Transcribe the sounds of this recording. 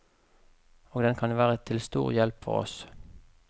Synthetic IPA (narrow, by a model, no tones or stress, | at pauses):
oːɡd̪ɛnkʰɑnʋæːʁət̪ʰɪlst̪ṵːʁjɛlpfɔ̰ʁɔ̰s